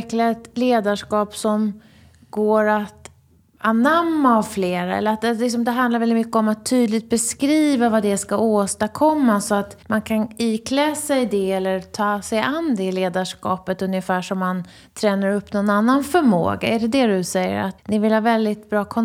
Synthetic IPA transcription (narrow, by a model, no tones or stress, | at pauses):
klaɛt̪leːd̪aʂkɑːpsɔm | ɡoːɾat̪ | anamːaɔvfleːɾaɛ̰lːəɾat̪̚ɛlɪks̬ɔmd̪ɛɦand̪laɾvɛlɪt̪mʏkːəɔmat̪ʰːyːd̪lɪɡ̚t̪̚bɛskɾiːvavad̪ɛskaoːst̪akʰɔmːasɔat̪mankʰaniːkʰlɛːsɛɪd̪ɛɛlːəɾt̪ʰɑːsɛjand̪ɛleːd̪aʂkɑ̰ːpət̪ɵnjəfæːʂɔmːan | t̪ʰɾɛːnaɾɵpːnɔnanːanfœɾmo̰ːɡa̰ɛɖɛd̪ɛd̪ɵsɛjːə̰ɾat̪nɪvɪlhaːvɛld̪ɪt̪̚bɾɑːkʰɔ